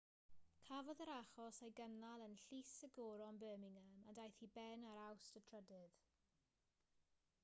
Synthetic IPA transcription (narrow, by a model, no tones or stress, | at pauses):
kʰavɔðəɾaχɔsejɡənalˠənɬisəɡɔːɾɔnbəːmɪŋəmandajθibɛnaɾawstətʰr̥ədɪð̥